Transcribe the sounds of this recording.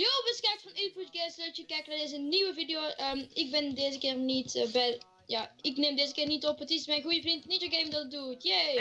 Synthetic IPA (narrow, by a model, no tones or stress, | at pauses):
joːbəskɛktfɑnifputɡɛstlətəkɛjknadɪzənniwəvidioʔəɪk̚bɪndeːzəkɪːrnitbɛ | jaːɪknemdeːzəkɪːrnitɔpətismɛjnɣujəvrintnitəɡemdɔtədutje